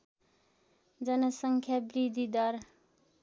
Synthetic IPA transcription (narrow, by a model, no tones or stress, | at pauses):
d͡zʌnʌsʌŋkʰjabɾid̪ʱid̪ʌɾ